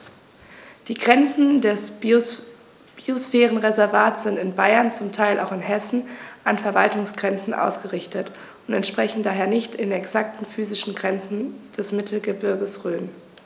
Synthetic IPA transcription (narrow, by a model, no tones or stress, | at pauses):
d̥iːɡʁɛnt͡sn̩dɛs | b̥iosfɛːʁənʁezɛɐvaːtsz̥ɪntɪnbaɪɐnt͡sʊmtʰaɪlʔa̰ʊxɪnɦɛsn̩ʔanfɛɐvaltʊŋsɡ̥ʁɛnt͡sn̩ʔa̰ʊsɡ̥əʁɪçtət | ʊntɛntʃpʁ̥ɛçn̩daːɦeːɐnɪçtɪnɛksak̚tn̩fyːzɪʃn̩ɡʁɛnt͡sn̩d̥ɛsmɪtʰl̩ɡəbɪɐɡəsʁøːm